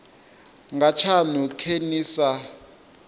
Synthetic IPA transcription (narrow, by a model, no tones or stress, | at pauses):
ŋɡat͡ʃʰanukʰeniːsa